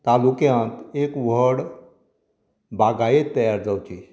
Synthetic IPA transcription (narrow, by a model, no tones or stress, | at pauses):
t̪alukjãnt̪ekʋəɽ | baɡʱajet̪ːəjaɾd͡zawt͡ɕi